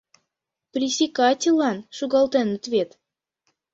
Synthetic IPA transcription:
prʲisʲikɑtʲilˠːɑnʃuɣɑlˠt̪enət̪vʲet̪

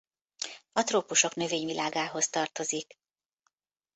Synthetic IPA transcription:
ɒt̪roːpuʃo̞knø̞veːɲvilʔaːɡaːɦo̞st̪ɒrt̪o̞zik

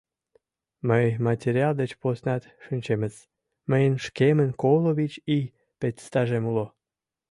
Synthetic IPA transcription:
məjmɑtʲeɾʲiɑld̪et͡ɕposnɑt̪ʃynʲt͡ɕeməz | məjənʃkemənkoloβit͡ɕi | petʲst̪ɑʒemulo

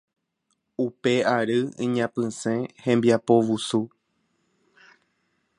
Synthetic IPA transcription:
upe̞aɾɨḭ̃ɲãpɨ̃sẽhẽ̞mbiapo̞ʋusu

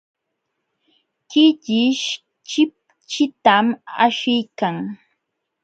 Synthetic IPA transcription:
kɪʎɪʃ | t͡ʃɪp̚ | t͡ʃɪt̪ama̰ʃɪjkaŋ

